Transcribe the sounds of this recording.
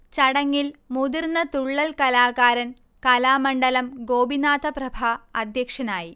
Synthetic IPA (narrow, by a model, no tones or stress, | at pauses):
t͡ɕɐɽɐŋːilmud̪irnːɐt̪uɭːɐlkɐlaːɣaːɾɐn | kɐlaːmɐɳɖɐlɐmɡoːbinaːt̪ɐprɐbʱaɐd̪ʱjɐkʂɐnaːji